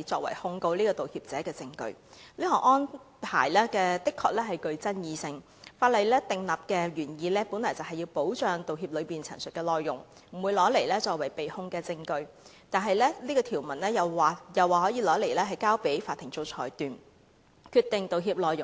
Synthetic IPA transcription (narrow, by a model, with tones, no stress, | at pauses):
t͡ʃɔː˧k̚wɐ̰˨˩jhʊ˧ŋko˧wliː˥kɔː˧t̪o˨whiː˧p̚t͡sɛː˨˦kɛː˧t͡sɪ˧ŋkɵ̰˧ɥliː˥kɔː˨ŋʔɔː˥n | pʰa̰ː˨˩jlɛː˥kɛː˧t̪ɪ˥kʰːɔː˧˥k̚lɛː˥ɦɐ˨jkɵ˧ɥt͡sɐ˥njiː˧sɪ˧ŋ | faː˧t̚lɐ˨jlɛː˥t̪ɪ˨ŋlɐː˨˩p̚kɛː˧ɥyː˨˩njiː˨˧lɛː˥pu˨˥nlɔː˨˩jt͡sɐ˨˩ɦɐ˨jːiː˧wpo˨˥wt͡ʃœː˨ŋt̪o˨wɦiː˧p̚lɵ˨˧ɥpiː˨˩nt͡sʰɐ̰˨˩ŋsɵ˨t̚kɛː˧lɔː˨jːʊ̰˨˩ŋ | m̩˨˩wuː˨˧jlɔː˨˥le˨˩jlɛː˥t͡ʃɔː˧k̚wɐ˨˩jpe˨jhʊ˧ŋkɛː˧t͡sɪ˧ŋkɵ˧ɥ | t̪aː˨˩nɦɐ˨jlɛː˥liː˥kɔː˧t̪ʰiː˨˩wmɐ˨˩nlɛː˥jɐ˨wːjɐ˨˩waː˨hɔː˨˥jiː˧lɔː˨˥le˨˩lɛː˥ɦɐ˨jkaː˥wpe˨˥˦jfaː˧t̪ʰːɪ˨˩ŋt͡so˧wt͡ʃʰɔː˨˩jt̪yː˨n | kʰyː˧t̪ɪ˨˩ŋt̪o˨wɦiː˧p̚lɔː˨jʊ˨ŋ